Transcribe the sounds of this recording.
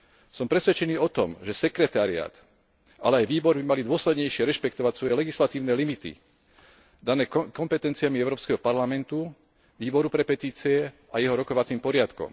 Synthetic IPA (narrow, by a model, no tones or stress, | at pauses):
sɔmpɾɛsʋɛt͡ʃɛniːɔt̪ɔ̰mʒɛsɛkɾɛt̪aːɾia̰ːt̪ | alɛajʋiːbɔɾbimalid̪ʊɔslɛd̪ɲɛjʃɪɛɾɛʃpɛkt̪ɔʋacsʋɔjɛlɛɡislat̪iːʊnɛːlimit̪ḭ | d̪anɛːkɔmpɛt̪ɛnt͡siamiɛʊɾɔːpskɛɦɔpaɾlamɛnt̪u | ʋiːbɔɾupɾɛpɛt̪iːt͡siɛ | ajɛɦɔɾɔkɔʋat͡siːmpɔɾɪat̪kɔ̰m